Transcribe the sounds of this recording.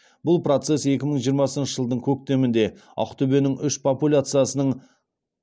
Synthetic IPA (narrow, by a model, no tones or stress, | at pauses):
bʊlˠpro̞t̪se̞se̞kʲɪməɴʒijəɾmɑsənʃəʒəlˠd̪əɴkʲʰɵk̚t̪e̞mɪnd̪e̞ | ɑ̰qt̪ʰʏbe̞nɪŋʏʃpʰopulʲat̪sɨjasənəɴ